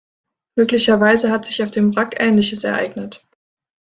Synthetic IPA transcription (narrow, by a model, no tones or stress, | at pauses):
møːklɪçɐvaɪzəhatz̥ɪçaʊfd̥eːmʁakʔɛːnlɪçəsɛ̰ɐʔa̰ɪɡnət